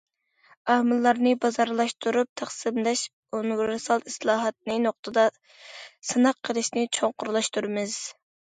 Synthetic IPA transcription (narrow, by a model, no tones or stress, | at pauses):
æhmɨlːɑɾnɨbɑzɑɾlˠɑʃt̪ʰuɾup̚t̪ʰæχsɨmlɛʃ | onɡɾɨsɑlˠislˠɑːɦɑt̪̚nɨnoχt̪ʰɨd̪ɑ | sɨnɑqʰːəlˠɨʃnɪt͡ʃʰoŋqʊɾlˠɑʃt̪uɾmɪz̥